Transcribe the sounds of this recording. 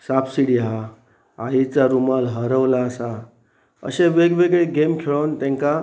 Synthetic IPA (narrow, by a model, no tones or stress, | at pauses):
sapsiɽiɦa | ait͡saɾumalɦəɾəʋlaəsa | ə̰ɕeʋeɡʋeɡɭeɡemkʰeɭənt̪ɛ̃ŋka